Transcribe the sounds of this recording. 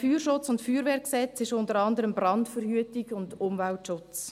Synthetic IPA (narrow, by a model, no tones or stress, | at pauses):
fyːɾʃʊt͡sʊntfyːɾʋeːɾksɛt͡sɪʃʊntəɾɑndəɾəmbɾɑntfəɾhyətɪɡʊndʊmvæltʃʊt͡s